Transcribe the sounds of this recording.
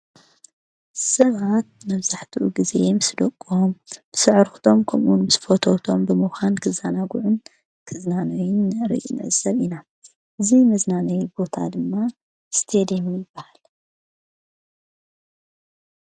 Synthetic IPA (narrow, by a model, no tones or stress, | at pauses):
sɐβat̪̚mɐβzaħt̪ʰuʔuɡizemɨsd̪okʼːuomb̥ɨsɨʕɾxu̥t̪ʰo̞mkʰɐmʔunmɨsfot̪ʰot̪ʰo̞mbɨmuxʷankʰɨzanaɡuʕʊn | kʰɨznanojɪnːɨɾḭnɨ̰ʕɨzɐβina | ʔɨzimɐznanɐjbo̞t̪ʰa̰d̪ɨmːa | st̪ʰed̪emijɪbːahal